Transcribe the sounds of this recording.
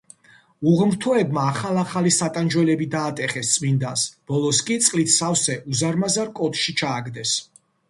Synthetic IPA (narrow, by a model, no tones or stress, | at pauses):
uʁmɾt̪ʰɔɛbmaːχalˠaχalisat̪ʼand͡ʒwɛlɛbid̪aːt̪ʼɛχɛst̪sʼmind̪asb̥ɔlˠɔskʼit̪sʼqʼlit̪ʰsafsɛʔuzaɾmazaɾkʼɔt̪ʃit͡ʃʰaːɡd̪ɛs